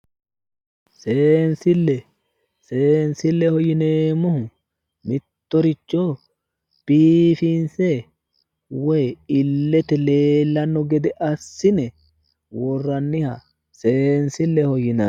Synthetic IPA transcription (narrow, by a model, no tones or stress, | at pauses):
seːnsɪlːɛ | seːnsɪlːɛhɔjɪneːmːɔhʊ | mɪt̪ːɔɾɪt͡ʃːo | b̥iːfinsɛ | wɔjɪlːɛt̪ɛleːlːɐnːɔɡɛd̪ɛʔɐsːɪnɛ | wɔrːɐnːɪhɐ | seːnsɪlːɛhɔjɪnɐ